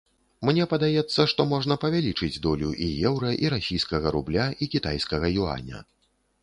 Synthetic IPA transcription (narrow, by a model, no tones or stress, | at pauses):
mnʲɛpɐd̪ajɛt̪sːɐʂt̪ɔmɔʐnɐpɐvʲalʲit͡ʂɨd͡zʲd̪ɔlʲuʔijɛwɾɐʔiɾasʲijskɐɣɐɾublʲaikʲit̪ajskɐɣɐjua̰nʲɐ̰